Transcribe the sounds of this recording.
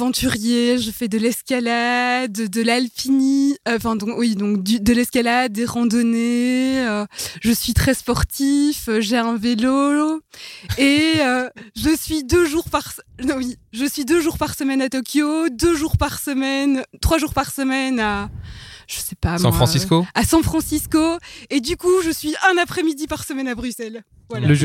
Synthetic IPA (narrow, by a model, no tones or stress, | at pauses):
vɑ̃t̪ʰyʁjeʒəfɛd̪əlɛskʲalad̪d̪əlalpiniɑ̃fɛ̃d̪ɔ̃wid̪ɔ̃kd̪yd̪əlɛskʲalad̪̚ːeʁɑ̃d̪ɔneøʒəsɥit̪χɛspɔʁt̪ifəʒeɛ̃velo | eøʒəsɥid̪øʒuʁpaʁswiʒəsɥid̪øʒuʁpaʁsəmɛnat̪ɔkʲʰjod̪øʒuʁpaʁsəmɛnt̪χwaʒuʁpaʁsəmɛna | ʒ̥əsɛpam̃fʁɑ̃siskoasɑ̃fχɑ̃siskoed̪ykuʒəsɥiɛ̃napχɛmid̪ipaʁsəmɛnabʁysɛl | vwalaəʒ